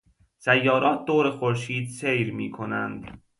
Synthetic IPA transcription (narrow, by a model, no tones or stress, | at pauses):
sæjːɒːɾʔɒːt̪̚d̪oːɾexoɾʃiːd̪sejɾmiːkʰonænd̪